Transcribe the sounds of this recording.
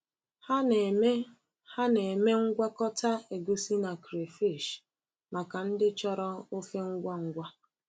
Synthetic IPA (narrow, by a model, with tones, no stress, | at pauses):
ha˦n˨me˦ | ha˦ne˨me˦ŋ̩˦ɡʷa˦kɔ˦ta˦e˨ɡo˦si˦na˨kɾe˨fi˦˨ʃ | ma˨ka˨n̩˦dɪ˦t͡ʃɔ˦ɾɔ˦o˦fe˦ŋ̩˦ɡʷa˦ŋ̩˦ɡʷa˦